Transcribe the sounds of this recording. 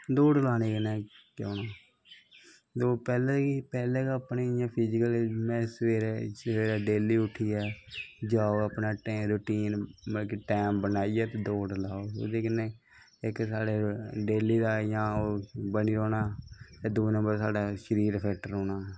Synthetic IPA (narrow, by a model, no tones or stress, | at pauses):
d̪oːɖəlaːneːkənɛːkoːnaː | d̪oːpɛːleːipɛːleːkːəpnijãːpʰɪd͡ʒɪkəlmɛ̃ːsʋeːɾesʋeːɾɛːɖeːliːʊʈʰiːɛːd͡ʒaːoːəpnaːʈeːɾʊʈiːnmkʈɛːmbənaːijɛːt̪ed̪oːɖəlaːoːo̰ːd̪eːkɪneː | ɪksaːɽeːɖeːliːd̪aːjãːoːbəniːɾoːnaːt̪eːd̪uːnə̃mbəɾsaːɖaːʃəɾiːɾpʰɛːʈəɾoːnaː